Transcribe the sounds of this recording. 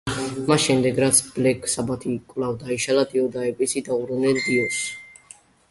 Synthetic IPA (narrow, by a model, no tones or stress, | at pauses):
masʃɛmd̪ɛɡɾat̪sʰb̥lɛkʰʼsabat̪ʰikʼvlavd̪aiʃalad̪iɔd̪aɛpʼisid̪auɾɔnɛld̪iɔs